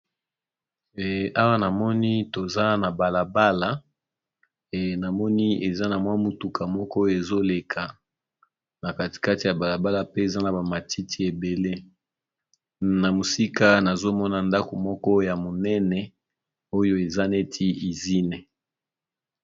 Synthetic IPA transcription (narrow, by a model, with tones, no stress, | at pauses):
a˦wa˦na˨mɔ˦ni˦to˨za˦na˨ba˨la˨ba˦la˨ | na˨mɔ˦ni˦e˨za˦na˨mwa˦mu˨tu˨kʰa˨mɔ˦kɔ˦o˦jo˦˨e˨zo˦le˨kʰa˨ | na˨ka˦ti̥˨ka˦ti˨a˨ba˨la˨ba˦la˨pe˦e˨za˦na˨ba˨ma˨ti˦tʰi˦e˨be˨le˦ | na˨mo˨si˦ka˦na˨zo˦mɔ˦na˨nda˦ko˨mɔ˦kɔ˦ja˨mo˨nɛ˦nɛ˨ | o˦jo˦e˨za˦ne˦tʰi˦i˨zi˦nɛ˨